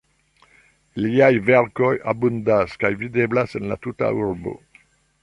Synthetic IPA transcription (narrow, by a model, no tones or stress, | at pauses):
liajvɛɾkojabund̪askajvid̪eblasenla̰tuta̰uɾbo̰